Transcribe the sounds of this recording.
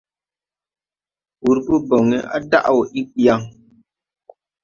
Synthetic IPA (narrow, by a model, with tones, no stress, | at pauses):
wu˨ɾbu˦bɔ˨ŋɛ̰˨˦ʔa̰˦da̰˦ʔwɔ˨ʔi˦k͡pi˦a˦ŋ